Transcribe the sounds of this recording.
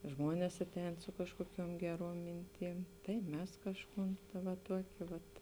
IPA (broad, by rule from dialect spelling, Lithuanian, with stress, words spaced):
ˈʒmoːnʲeːs ˈɑːˌtʲɛːn ˈsʊ kɐʃkuɔˌkʲuɔm ˈɡʲæːˌruɔm ˈmʲɪnʲˌtʲiːm tɐɪ ˈmʲɛs ˈkɑːʃˌkuːn ʋɐ ˈtuɔkʲeː ˈʋɐt